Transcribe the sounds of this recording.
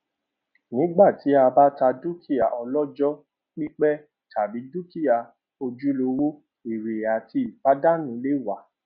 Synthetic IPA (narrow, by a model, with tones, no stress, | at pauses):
nĩ˨˦ɡ͡ba˦˨ti˨˦a˧ba˦ta˧du˦kʰi˦˨ja˨ʔɔ˧lɔ˦d͡ʒɔ˦ | k͡pĩ˦k͡pɛ˦ | ta˨bi˨˦du˦ki˦ja˨ | o˧d͡ʒu˦lo˧wu˦ | i˨ɾe˨a˨ti˧i˨k͡pa˨˦da˦nũ˨˦le˦˨wa˨˦˨